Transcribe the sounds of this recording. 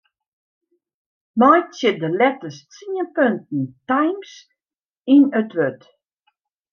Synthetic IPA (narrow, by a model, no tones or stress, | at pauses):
mɔjtsɪdəlɛtəst͡siənpøntn̩tajms | inətʋøt